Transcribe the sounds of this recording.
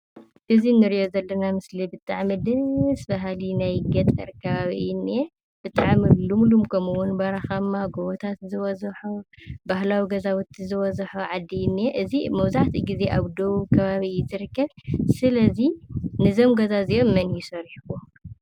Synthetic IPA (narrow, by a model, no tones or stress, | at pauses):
ʔɨzinɨɾijo̞zɐlːɐnamɨslibɨt̪ʼaʕmɨd̪ɨsbaɦalinajɡɐt̪ʼɐ̰ɾkʰɐβaβinːɛ | b̥ɨt̪ʼaʕmilumlumkʰɐmuwunbɐɾaxamːaɡoβɔt̪ʰat̪zɨwɔzħobahlawiɡɐzawɔt̪ʰːizɨwɔzɐħoʕad̪inːiɛʔɨzimɐwzaʕt̪ʰiɡize̞ʔaβd̪oβukʰɐβaβiɨːzɨɾɨkːɐβsɨlɐzinɨzo̞mɡɐzaziʔomːɐnjisɐɾiħwo